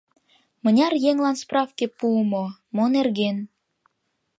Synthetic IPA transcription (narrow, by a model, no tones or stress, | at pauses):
mə̆nʲɑrjeŋlɑnsprɑfkepuəmomonerɣen